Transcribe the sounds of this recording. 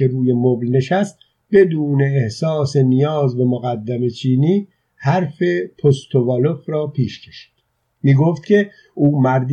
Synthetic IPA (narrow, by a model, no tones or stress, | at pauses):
eɾuːje̞moblne̞ʃæst̪ | be̞d̪uːne̞ːhsɒːse̞nijɒːzbe̞moɣæd̪ːæme̞t͡ʃʰiːniː | hæɾfe̞pʰost̪ʰovɒlofɾɒːpʰiːʃcʰe̞̥ʃi̥ːd̪̥ | miːɡoːft̪̚cʰe̞ | ʔuːmæɾd̪